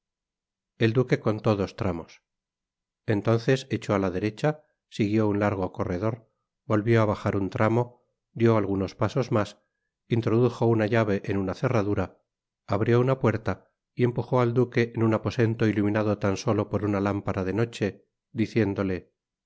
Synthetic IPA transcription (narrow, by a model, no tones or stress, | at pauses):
e̞ld̪uke̞ko̞nt̪o̞ðo̞st̪ɾamo̞s | ent̪o̞nθe̞set͡ʃo̞alaðe̞ɾe̞t͡ʃa | siɣjo̞unlaɾɣ̞o̞ko̞re̞ð̞o̞ɾ | bo̞lβjo̞aβaxaɾunt̪ɾamo̞ | d̪jo̞alɣuno̞spaso̞zmas | int̪ɾo̞ðuxo̞unaʎaβ̞e̞ʔenunaθe̞raðuɾaː | βɾjo̞unapwe̞ɾt̪a | ie̞mpuxo̞ald̪uke̞ʔenunapo̞se̞nt̪o̞ilumĩnaðo̞t̪anso̞lo̞po̞ɾunalampaɾaðe̞no̞t͡ʃe̞ | ðiθje̞nd̪o̞le̞